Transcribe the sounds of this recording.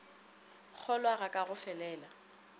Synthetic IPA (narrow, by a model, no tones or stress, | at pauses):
k͡xʰɔlwaɣakʼaɣʊfɛlɛːla